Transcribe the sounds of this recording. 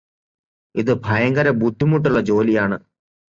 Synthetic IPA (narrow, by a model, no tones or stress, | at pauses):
iðɨbʱɐjɐŋɡɐɾɐbut̪ːumuʈ̬ːuɭːɐd͡ʑo̞ːlijaːɳɨ